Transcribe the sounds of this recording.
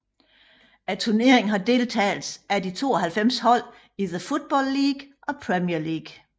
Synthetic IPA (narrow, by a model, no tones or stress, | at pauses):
æt͡sʰuɐne̝̰ɐ̰e̝ŋn̩ɦɑ̈d̥e̝ːlt͡sʰɛ̰ːlsædit͡sʰo̝̰ːɒɦælfem̰shɒ̽l̰ | iðəfod̥̚b̥ɒlːiːɡ̥ʔɒ̽pʰʁɛmiɐliːɡ̥